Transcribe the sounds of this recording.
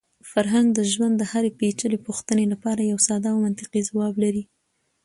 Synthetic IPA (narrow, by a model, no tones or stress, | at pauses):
faɾɦaŋɡd̪əʒwand̪ːəhaɾepet͡ʃəlepuxt̪ənelapɑɾajawsɑd̪ɑwmant̪ɪqizawɑblaɾi